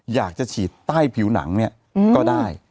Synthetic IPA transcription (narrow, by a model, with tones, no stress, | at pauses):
jaː˨˩k̚t͡ɕa˨˩t͡ɕʰiː˨˩t̪ːaː˥˩jpʰiː˩˦wna̰˩˦ŋni˥˩ɐ | kɔː˥˩daː˥˩j